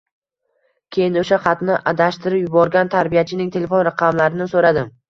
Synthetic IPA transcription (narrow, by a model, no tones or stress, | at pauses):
kʲʰe̞jɪnoʃaχɑt̪nɪʔad̪aʃt̪ʰɪɾɪpjʊbɒɾɡʲant̪ʰaɾbijat͡ʃʰɪnɪŋt̪ʰe̞le̞fo̞nɾaqʰɑmlaɾɪnɪsoɾad̪ɪm